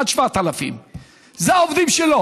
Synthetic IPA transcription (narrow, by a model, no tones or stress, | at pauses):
ad̪ʃvat̪alafḭm | zeaovd̪imʃelo